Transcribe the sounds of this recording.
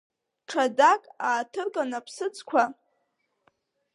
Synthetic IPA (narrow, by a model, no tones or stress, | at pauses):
ʈ͡ʂʰadakʼaːtʰɨrkʼanapʰsɨt͡sʼkʷʰa